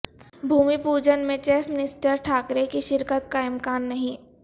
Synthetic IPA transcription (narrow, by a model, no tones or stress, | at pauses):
bʱuːmipuːd͡ʒənmẽt͡ʃeːfʰmɪnɪsʈəɾʈʰaːkɾekiʃɪɾkət̪kaɪ̃mkaːnːɐɦĩː